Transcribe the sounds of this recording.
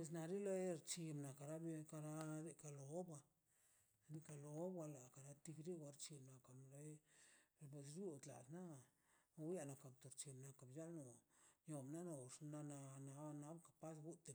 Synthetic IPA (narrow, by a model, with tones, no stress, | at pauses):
pe˨s̬na˨ɾi˦la˧e˦ɾt͡ʃi˧bna˨ka˨ɾa˦bka˧ɾa˦d̪e˧ka˧lo˨˦ba˧˨ | ni˦ka˧lo˨˦bwa˧la˨ka˨ɾa˧˦t̪i˧kɾi˦wʷa˧ɾt͡ʃi˧bna˨ka˨mɾa˧˦˨ | pe˨sɾju˦t̪la̰˨t̪na˦˨˧ | wja˧na˨ka˨bt̪o˨ɾt͡ʃi˧mna˧ka˨bja˦lno˨jo˨mna˦no˧˨ʂna˧na˧na˨˧na˦bka˨pa˦sɡu˦t̪e˨